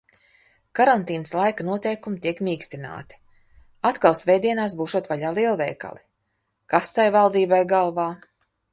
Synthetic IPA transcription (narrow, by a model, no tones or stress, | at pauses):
kaɾant̪iːnəslˠajkanuɔt̪ɛjkumit̪iɛkmʲiːksʲt̪ina̰ːt̪i̥ | at̪kalˠsvʲɛjd̪iɛnaːsbuːʃuɔt̪vaʎaːlˠiɛlˠvɛ̰jka̰lˠi | kast̪ajvalˠd̪iːbajɡalˠvaː